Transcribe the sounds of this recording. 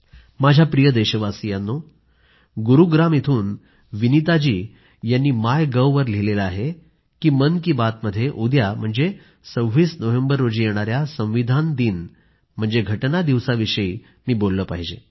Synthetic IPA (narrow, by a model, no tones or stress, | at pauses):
mad͡ʑʱjapɾijəd̪eɕəʋasijanːo | ɡuɾuɡɾamit̪ʰuːn | ʋinit̪ad͡ʑiː | janːiːmajɡəʋʋəɾlelelaaɦe | kiːmənkiːbat̪məd̪ʱːjeʔud̪jam̤əɳd͡ze | səwʋiːsnəʋembəɾːod͡ʑiːjeɽ̃aɾjasə̃ʋ̃ʋid̪ʱand̪iːn | m̤əɳd͡zeɡʱəʈnad̪iʋsaʋiʂəi | miːbolːəːpaɦid͡ʑe